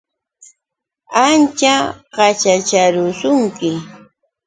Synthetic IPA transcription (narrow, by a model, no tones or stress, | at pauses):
ant͡ʃaɢɑt͡ʃat͡ʃaɾʊsʊŋkɪ